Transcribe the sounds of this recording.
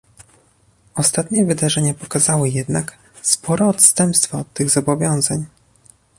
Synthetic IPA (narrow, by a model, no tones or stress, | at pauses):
ɔst̪at̪ɲɛvɘd̪aʐɛɲapɔkazawɘjɛd̪nak | spʰɔɾɔːt̪st̪ɛmpst̪faːt̪ːɘɣzɔbɔvʲjɔ̃w̃zaɲ